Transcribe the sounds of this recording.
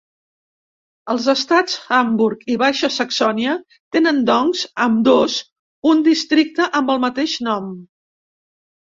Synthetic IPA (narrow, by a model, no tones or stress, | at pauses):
əlˠzəst̪at͡sxəmbuɾkiβajʃəsəksɔniə | t̪enənd̪ɔŋzəmd̪oz | und̪ist̪ɾik̚t̪əʔəmbəlˠmət̪eʃnɔm